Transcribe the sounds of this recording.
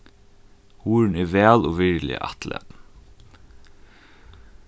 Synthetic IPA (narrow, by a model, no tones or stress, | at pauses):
huːɹnɛʋɛːlɔːʋɪɹlɪ̰ʔɑ̰t̪lɛ̰t̪